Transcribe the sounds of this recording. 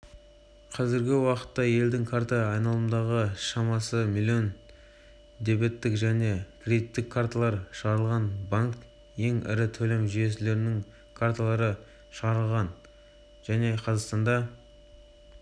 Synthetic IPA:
qʰɑzɪɾɡʲɪwɑqə̥t̪ːɑje̞ld̪ɪŋkʰart̪aɑjnɑlˠəmd̪ɑʁəʃɑmɑsəmilʲˠːio̞n | d̪e̞be̞t̪ːɪkʒæne̞kʲʰrʲe̞d̪it̪ːɪkʰːart̪alˠɑɾʃəʁɑɾəlˠʁɑnbɑŋk | je̞ŋɪ̰ɾɪt̪ʰɵle̞mʒyje̞s̬ɪle̞ɾɪnɪŋ | kʰart̪alˠɑɾə | ʃəʁɑɾəlˠʁɑn | ʒ̥æne̞qʰɑzɑqst̪ɑnd̪ɑ

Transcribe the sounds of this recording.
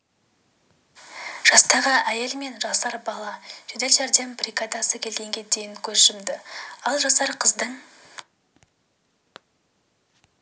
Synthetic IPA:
ʒ̥ɑst̪ɑʁəʔæje̞lme̞nʒɑsɑɾbɑlˠɑʒ̥ɵd̪e̞lʒæɾd̪e̞mbrʲikad̪ɑsəkʲʰe̞lɡʲe̞ŋɡʲe̞d̪e̞jɪŋkʲʰɵzʒɪmd̪ɪɑlˠʒɑsɑɾqʰəzd̪əɴ

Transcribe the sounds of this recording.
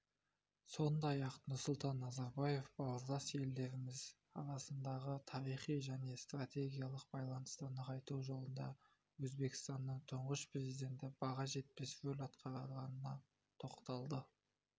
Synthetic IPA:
so̞nd̪ɑjɑqnʊɾsʊlˠt̪ɑnːɑzɑɾbɑje̞fbɑwəɾd̪ɑsje̞ld̪e̞ɾɪmɪz | ɑ̰ɾɑsənd̪ɑʁət̪ʰɑɾijχijʒæne̞st̪rat̪ʲe̞ɡʲijalˠəq̚b̥ɑjlˠɑnəst̪ɑnəqɑjt̪uwʒo̞lˠənd̪ɑ̰ | wɵzbe̞kɪ̥st̪ɑnːəɴt̪ʰʊɴʁəʃpre̞zijd̪ʲe̞nt̪ɪbɑʁɑʒe̞t̪̚pɪsʒɵlʲɑt̪qʰɑɾɑʁɑnənɑ | t̪ʰo̞qt̪ɑlˠd̪ə

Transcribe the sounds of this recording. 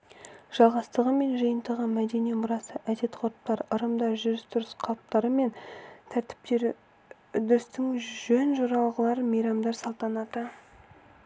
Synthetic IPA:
ʒ̥ɑlˠʁɑst̪əʁəme̞nʒəjənt̪ɑʁɑnmæd̪e̞nijmʊɾɑsəʔæd̪e̞t̪qʰoɾəpt̪ɑɾəɾəmd̪ɑʒʏɾɪst̪ʰʊɾɪsqʰɑlˠp̚t̪ɑɾəme̞nt̪ʰæɾt̪ɪ̥p̚t̪e̞ɾ | d̪ʏst̪ɪŋʒɵnʒoɾɑlˠʁəlˠɑɾəmijɾɑmd̪ɑɾsɑlˠt̪ɑnɑt̪ə

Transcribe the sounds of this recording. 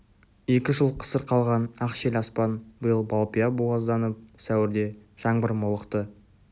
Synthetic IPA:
e̞kʲɪʒəlˠqʰə̥səɾqʰɑlˠʁɑnɑqʃelʲɑspɑnbəjəlˠbɑlˠpijɑbuɑzd̪ɑnəp̚sæwɪɾd̪e̞ʒ̥ɑɴbəɾmolˠəqt̪ə

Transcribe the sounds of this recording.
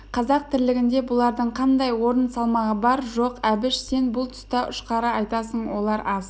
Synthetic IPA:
qʰɑzɑq̚t̪ʰɪɾlɪɡʲɪnd̪e̞bʊlˠɑɾd̪əɴqʰɑnd̪ɑjwo̞ɾənsɑlˠmɑʁəbɑɾʒo̞qæbɪʃse̞nbʊlˠt̪ʰʊ̥st̪ɑʔʊʃqɑɾəɑjt̪ɑsəɴwo̞lˠɑɾʔɑs

